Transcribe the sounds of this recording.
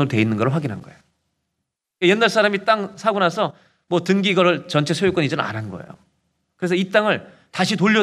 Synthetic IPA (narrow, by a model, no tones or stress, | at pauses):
ɯɾotwe̞inːɯnɡʌɾɭɸwaɡinɦa̰nɡʌejo | k͈ajenːaɭs͈ʰaɾamit͈aŋsʰaɡunasʰʌ | mwʌtɯŋɡiɡʌɾɯɭt͡ɕʌnt͡ɕʰe̞sʰojok͈ʌɲid͡ʑʌnɯna̰ɾannɡʌ̰ḛjo̰ | kɯɾesʰʌit͈aŋɯɭ | taɕʰitoʎːʌ